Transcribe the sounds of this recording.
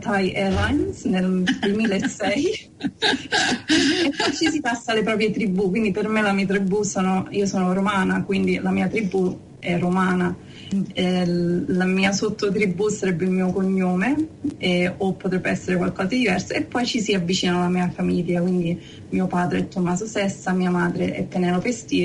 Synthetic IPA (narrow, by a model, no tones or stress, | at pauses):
t̪ajʔɛlajnsneld̪wemiːlaesːɛj | epːɔjt͡ʃisipasːalepɾɔːp̬ɾjet̪ɾibːukːwind̪ipermelamit̪̬ɾibːusoːnoiːosoːnoɾomaːnakwind̪ilamiːat̪ɾibːu | ɛromaːna | lamiːasot̪ʰːot̪ɾibːusaɾɛbːeilmiːokoɲːoːmeɛopːot̪ɾɛbːeɛsːeɾekwalkɔːzad̪id̪ivɛrsaepːɔjt͡ʃisiavːit͡ʃiːnanalamiːafamiʎjːakwind̪i | miːopaːd̪ɾeɛt̪ːomːaːsosɛsːamiːamaːd̪ɾeʔɛ̰pːenɛlopest̪iː